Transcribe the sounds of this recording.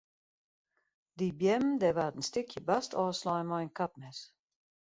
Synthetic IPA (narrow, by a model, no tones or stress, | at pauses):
dibjɛmdɛʋaːtənstɪkʰjəbastʰɔːslɔjənmɔjənkapnɛs